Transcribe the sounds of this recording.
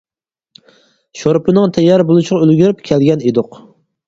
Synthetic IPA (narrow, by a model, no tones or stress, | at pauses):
ʃoɾpʰɨnɨŋt̪ʰɛjːɑɾbolˠɨʃʁɑølɡʲyɾɪpkʲʰælɡʲɛned̪ʊq